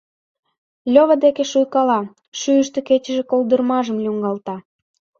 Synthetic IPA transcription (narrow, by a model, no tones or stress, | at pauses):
lʲoβəd̪ekeʃujkɑlɑ | ʃyəʃt̪eket͡ɕə̆ʒekold̪ərmɑʒəmlʲuŋɡɑlt̪ɑ